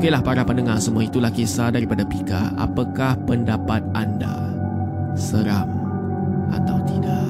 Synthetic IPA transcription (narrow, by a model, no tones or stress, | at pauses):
kelahpaɾapənəŋasəmuait̪ulahkesadaɾipadapika̰ʔa̰pakahpəndapat̪̚ʔanda̰ | səɾaŋ | ʔa̰t̪awt̪idaʔ